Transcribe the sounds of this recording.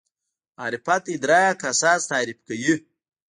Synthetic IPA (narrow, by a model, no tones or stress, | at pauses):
aɾipat̪id̪ɾajakasaːzt̪aːɾipkəji